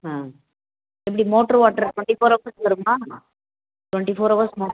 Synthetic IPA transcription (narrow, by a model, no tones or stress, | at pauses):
ãː | ɛp̬ːɐɽimoːʈːɐɾʋaːʈːɐɾʈwɛɳʈifoːɾɐʋɐɾslɐɾɯmaː | ʈʋɐɳʈifoːɾɐʋɐɾsmoː